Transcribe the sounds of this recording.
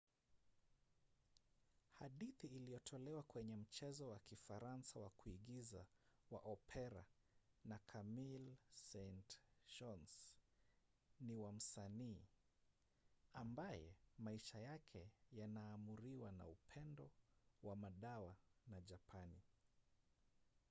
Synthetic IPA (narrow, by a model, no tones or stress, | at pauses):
haɗiθiːlijɔtʰɔlɛwakwɛɲɛm̩t͡ʃɛzɔwakifaɾansawakuiɠizawa̰ʔɔpʰɛɾa̰ | nakʰamilsɛntʃɔns | niwam̩saniː | ambajɛ̰maiʃajakʰɛjanaːmuɾiwana̰upʰɛndɔwamaɗawanaʄapʰani